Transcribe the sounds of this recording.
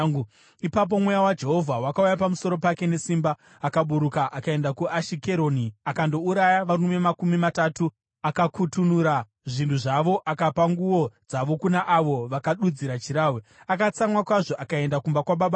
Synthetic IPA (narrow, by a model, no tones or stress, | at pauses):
ipap̬o̞mwe̞jawad͡ʒe̞ɦo̞vʱawakaujapamuso̞ɾo̞pake̞ne̞simbaː | kaɓuɾukaʔakae̞ndakuaʃike̞ɾo̞ːniakando̞uɾajaʋarume̞makumimatatu | akakutunuɾa | ʐintʰuʐaʋo̞ʔakapaŋɡuo̞d͡zaʋo̞kunaʔaʋo̞ʋakaɗud͡ziɾat͡ʃiɾaweakat͡samwakwaʐo̞ʔakae̞ndakumbakwaɓaɓa